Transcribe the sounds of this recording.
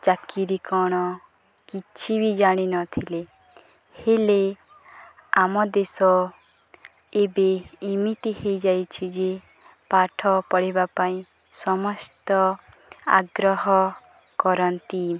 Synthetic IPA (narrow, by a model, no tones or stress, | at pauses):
t͡ʃakiɾikɔɽ̃ɔ | kit͡ʃʰibid͡ʒaɽ̃inɔt̪ʰile | hele | amɔd̪esɔ | ebeimit̪ihejd͡ʒajt͡ʃʰid͡ʒe | paʈʰɔpɔɽibapaĩ | sɔmɔst̪ɔ | a̰ɡɾɔɦɔ | kɔɾɔnt̪i